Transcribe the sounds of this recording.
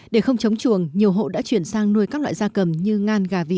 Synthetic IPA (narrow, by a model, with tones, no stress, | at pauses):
ɗe˧˩xə˧wŋ͡mt͡ɕə˨˦wŋ͡mt͡ɕu˧˩əŋɲi˨˩əwɦo̰˧˨ɗa̰ː˧˥t͡ɕwi˧˩ənsaː˧ŋnu˧əjkaː˦˥k̚la̰ː˧˨jzaː˧kə˨˩mɲɨ˧ŋaː˧nɣaː˨˩vḭ˧˨